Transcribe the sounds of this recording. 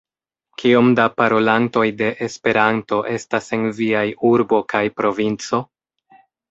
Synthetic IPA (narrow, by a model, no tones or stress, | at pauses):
kʰio̞mdapaɾo̞lanto̞jde̞ʔespe̞ɾanto̞ʔe̞stase̞nviajuɾbo̞kajpɾo̞vint͡so̞